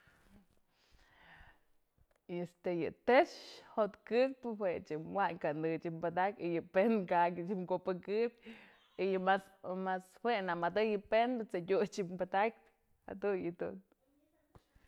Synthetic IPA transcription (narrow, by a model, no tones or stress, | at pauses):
iest̪ejɨ̰t̪eʂhot̪kɨk̚pɨhwet͡ʃɨwaɲkand̪ɨt͡ʃimpad̪akʲijɨpenkakʲɨt͡ʃiŋkopɨkɨb̚ʲ | ijɨmasmashwenamad̪ɨjɨpend̪ɨt͡sedʲut͡ʃimbad̪ak̚ʲɨ | ha̰d̪unjɨd̪ṵn